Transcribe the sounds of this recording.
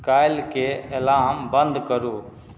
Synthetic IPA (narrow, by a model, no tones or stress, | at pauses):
kaːɪlkeelaːmbə̃nd̪kəɾuː